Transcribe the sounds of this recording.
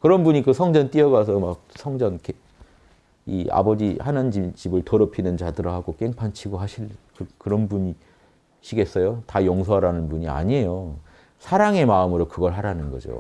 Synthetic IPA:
kɯɾʌnbuɲikɯsʰʌŋd͡ʑʌnt͈iʌɡasʰʌmak̚sʰʌŋd͡ʑʌnke | ia̰bʌd͡ʑihanand͡ʑit͡ɕibɯɭtoɾʌpʰinɯnd͡ʑadɯɾʌɦaɡok͈e̞ŋpʰant͡ɕʰiɡoɦaɕʰiɭkɯkɯɾʌnbuɲi | ɕʰiɡe̞s͈ʌjotajʌŋsʰoɦaɾanɯnbuɲia̰ɲejo | sʰaɾaŋe̞maɯmɯɾokɯɡʌɭɦaɾanɯnɡʌd͡ʑo̰

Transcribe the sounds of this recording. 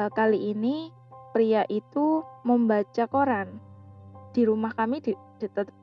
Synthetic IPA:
kaliʔini | pɾiaʔit̪uməmbat͡ʃakoɾan | d̥i̤ɾumahkamid̥id̥i̤t̪ət̪

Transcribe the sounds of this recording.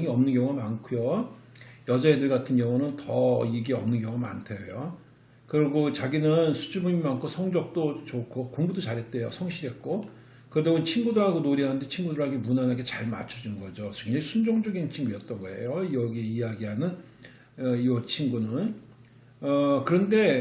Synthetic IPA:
ŋiʌmnɯnɡjʌŋuɡamankʰujo | jʌd͡ʑaedɯɭɡatʰɯnɡjʌŋunɯntʌiɡiʌmnɯnɡjʌŋuɡama̰ntʰejo | kɯɾʌɡot͡ɕaɡinɯnsʰu̥d͡ʑʰubuɲimankʰosʰʌŋd͡ʑʌk̚t͈ot͡ɕokʰokoŋbudot͡ɕaɾɦet̚t͈wejosʰʌŋɕʰiɾɦe̞t̚k͈o | kɯɾedaunt͡ɕʰinɡudoɦaɡonoɾiɦanɯnde̞t͡ɕʰinɡudɯɾɭɦaɡemunanaɡet͡ɕaɭma̰t͡ɕʰud͡ʑinnɡʌd͡ʑoeŋɲd͡ʑaisʰund͡ʑoŋd͡ʑʌɡint͡ɕʰinɡujʌt̚t͈ʌɡoɦe̞̰jojʌɡieijaɡiɦanɯn | ʌiʌt͡ɕʰinɡunɯn | ʌkɯɾʌnde̞

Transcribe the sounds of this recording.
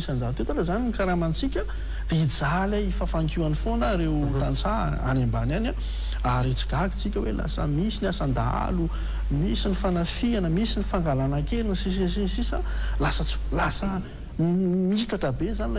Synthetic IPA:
isand̪at̪et̪aɾazaniikaɾamant͡sikʲə | d̥̪eid͡zalaifafaŋkianifonəɾet̪ant͡sa | a̰nambanana | aɾet͡si̥ɡaki̥t͡sikʲəwela̰sə̰misinasand̪a̰lu | misinifanafianəmisinifaŋɡalanaŋkelinəsis̬sinsisalasət͡su̥lasə | mit̪aʈ͡ʂabezanila

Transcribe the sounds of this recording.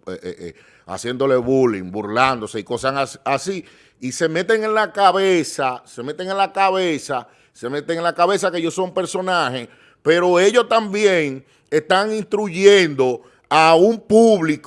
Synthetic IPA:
ee | a̰sje̞nd̪o̞le̞βulḭŋbuɾland̪o̞se̞iko̞saŋasasi | ise̞me̞t̪e̞ŋẽ̞nlakaβesase̞me̞t̪eŋe̞nlakaβesa | se̞me̞t̪eŋenlakaβe̞sakeeʝo̞so̞mpe̞ɾso̞nahe̞s | pe̞ɾo̞e̞ʝo̞st̪ambjeŋ | e̞st̪aŋĩnst̪ɾuʝend̪o̞ | aumpuβlik

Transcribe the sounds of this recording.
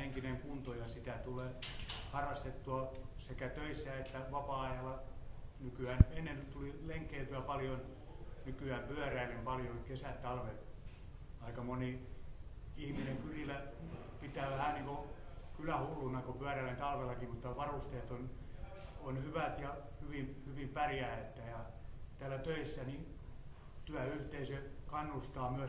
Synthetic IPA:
eŋkineŋkunt̪ojɑsit̪æt̪uleːhɑrɑst̪et̪ːuɑ | sekæt̪øisːæet̪ːæʋɑpɑɑjɑlɑnykyæːnenːent̪ulileŋkːˑeːt̪yæpɑljon | nykyæːmpyæˑræilempɑljonkesætt̪ːɑlʋet̪ | ɑikɑmoni | ihmineŋkylilæ | pit̪æːʋæhæniːŋkokylæhulːunːɑkopyæˑræilent̪ɑlʋelːɑkimut̪ːɑʋɑrust̪eːt̪on | onhyʋæt̪jɑ | hyʋimhyʋimpærjæet̪ːæjɑ | t̪æːlːˑæt̪øisːæni | t̪yæyht̪eisøkɑnːust̪ɑːmyæ

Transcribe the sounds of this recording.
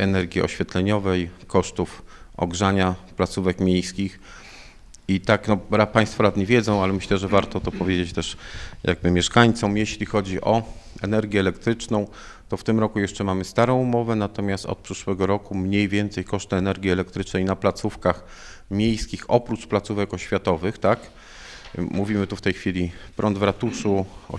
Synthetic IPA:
ɛnɛɾɡʲjiɔ̰ɕfʲjɛt̪lɛɲɔvɛjkɔʂt̪ufɔ̰ɡʐaɲaplat̪suvɛkmʲjejskʲix | it̪aknɔɾapaj̃st̪fɔɾad̪ɲivʲjɛd̪zɔ̃w̃alɛmɘɕlɛʐɛvaɾt̪ɔt̪ɔpɔvʲed͡ʑet͡ɕt̪ɛʂjʔa̰ɡ̚bɘmʲjɛʂkaɲt̪sɔmjeɕlʲixɔd͡ʑiʔɔɛnɛɾɡʲjɛːlɛkt̪ɾɘt͡ʂnɔ̃w̃ | t̪ɔft̪ɘmɾɔkujɛʂt͡ʂɛmamɘst̪aɾɔ̃w̃umɔvɛnat̪ɔmʲjast̪ɔ̰t̪̚pʂɘʂwɛɡɔɾɔkumɲejvʲjɛnt̪sɛjkɔʂt̪ɘɛnɛɾɡʲiɛlɛkt̪ɾɘt͡ʂnɛjnaplat̪sufkax | mʲjejskʲixɔpɾut͡ʂplat̪suvɛkɔɕfʲjat̪ɔvɘxt̪ak | muvʲimɘt̪uft̪ɛjxfʲilʲipɾʔɔnd̪vɾat̪uʂuɔ̰

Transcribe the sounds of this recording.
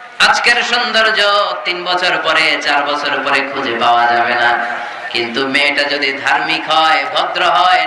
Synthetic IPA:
ad͡ʒkeɾsɔnd̪ɔɾd͡ʒɔt̪inbɔt͡ʃʰɔɾpɔɾet͡ʃaɾbɔt͡ʃʰɔɾpɔɾekʰud͡ʒʱepawad͡ʒabena | kint̪umeʈad͡ʒɔd̪id̪ʱaɾmikɦɔjbʱɔt̪ɾɔɦɔj

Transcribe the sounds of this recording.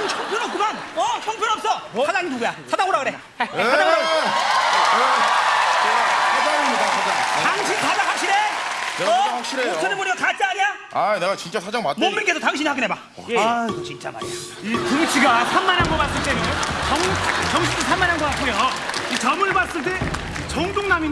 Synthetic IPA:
t͡ɕʰoŋpʰjoɾʌp̚k͈umanʌt͡ɕʰʌŋpʰjʌɾʌp̚s͈ʌsad͡ʑaŋinuɡojasʰadaŋɦoɾaɡɯɾe | sʰaaŋɾa | aiaaataŋɕʰinpadahwak̚ɕ͈iɾeeʌwakɕ͈iɾeot͡ɕʰʌɾɯmoɾiokat͡ɕ͈aaɲeja | aneɡat͡ɕint͡ɕ͈asʰad͡ʑaŋmamoŋmink̬͈e̞sʰʌtaŋɕʰiɲihʰɦaɡineba | t͡ɕint͡ɕ͈a̰ma̰ | ituŋɕʰiɡasʰamːanɲamɡʌpats͈ɯɭt͈ejot͡ɕʌŋt͡ɕʌŋɕʰitʰusʰamːanɦaŋɡʌk͈atʰejoit͡ɕʌmɯɭbats͈ɯɭt͈e̞ | t͡ɕʌŋdoŋnami

